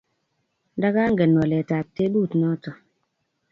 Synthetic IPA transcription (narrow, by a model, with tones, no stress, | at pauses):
nda˦ka˦ŋ˦ɡɛ˨nwɔ˨lɛ˨ta˨p̚te˦duː˦˨tnɔ˦tɔ˨